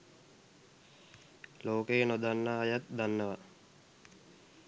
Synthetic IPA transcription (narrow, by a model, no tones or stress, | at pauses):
loːkejənod̪anːaːjat̪d̪anːəʋa